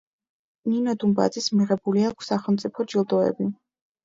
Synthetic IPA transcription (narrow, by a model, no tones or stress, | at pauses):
ninɔd̪umba̰d̪zismiʁɛbuliakʰsːaχɛlˠmt̪sʼipʰɔd͡ʒilˠd̪ɔɛ̰bi